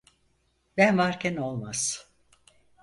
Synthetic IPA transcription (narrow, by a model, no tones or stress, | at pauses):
bænvaɾcʰʲɛno̞lˠmaz̥